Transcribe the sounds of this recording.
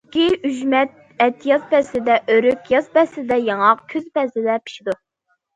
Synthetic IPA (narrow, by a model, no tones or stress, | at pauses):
kʲiyʒmɛt̪̚ | ɛt̪ʰːijɑzpʰɛsɪd̪ɛʔøɾykʲjɑspɛsɪd̪ɛjɑŋɑqkʲʰøzpʰɛsɪd̪ɛpʰi̥ʃid̪u